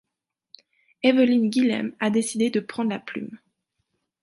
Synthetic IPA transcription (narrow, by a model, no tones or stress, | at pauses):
ɛvəlinɡʲilɛ̰mad̪esid̪ed̪əpχɑ̃d̪laply̰m